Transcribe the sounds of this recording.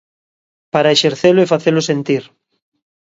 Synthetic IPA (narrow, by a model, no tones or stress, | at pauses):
paɾaeʃeɾθelʊɛfaθelʊsent̪iɾ